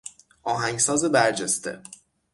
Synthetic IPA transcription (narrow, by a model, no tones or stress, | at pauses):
ʔɒːɦæŋɡsɒːzebæɾd͡ʒest̪ḛ